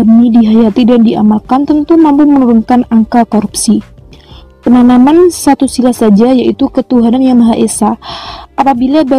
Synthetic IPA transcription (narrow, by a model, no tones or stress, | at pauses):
əmidiɦajat̪idandiʔa̰malkant̪ənt̪umampumənuɾunkanaŋkakoɾupsi | pənanamansat̪usilahsad͡ʒajaʔit̪ukət̪uɦanamjaŋmaɦaʔesaʔapabilaba